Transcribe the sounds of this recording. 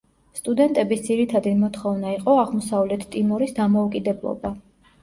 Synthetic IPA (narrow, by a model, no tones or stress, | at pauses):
st̪ʼud̪ɛnt̪ʼɛbisd̪ziɾit̪ʰad̪imɔt̪ʰχɔvnaiqʼɔaʁmɔsavlɛt̪ʰt̪ʼimɔɾisd̪amɔukʼid̪ɛblˠɔ̰ba